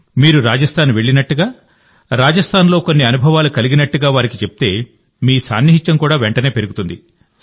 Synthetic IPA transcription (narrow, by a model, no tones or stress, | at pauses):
miːɾuɾaːd͡ʒɐst̪ʰaːnʋe̞ɭːinɐʈːuɡaː | ɾaːd͡ʒɐst̪ʰaːnlo̞ːkonːiɐnubʱɐʋaːlukɐliɡinɐʈːuɡaːʋaːɾikit͡ʃe̞pi̥t̪e̞ː | miːsa̰ːnːiɦit͡ʃɐmkuːɽaːʋeɳʈɐne̞ːpe̞ɾuɡut̪und̪i